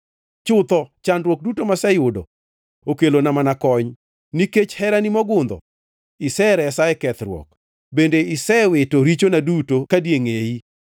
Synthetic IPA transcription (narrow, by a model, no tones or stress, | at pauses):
t͡ʃʊt̪ɔt͡ʃandɾwɔk̚dutomasɛjʊdo̰ | okelonamanakɔɲ | niket͡ʃhɛɾanimɔɡʊnd̪ɔ̰ | ɪsɛɾɛsaɛkɛt̪ɾwɔ̰k | bendeɪsɛwetoɾit͡ʃonadutokadjeŋei